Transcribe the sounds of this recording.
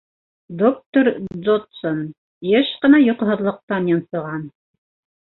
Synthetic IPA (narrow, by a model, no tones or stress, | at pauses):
d̪ok̚t̪oɾd̪ot̪son | jɘʃqɤ̆nɑjŏqɤ̆ɦɤ̆ðlˠɤ̆q̚t̪ɑnjŏnsŏʁɑn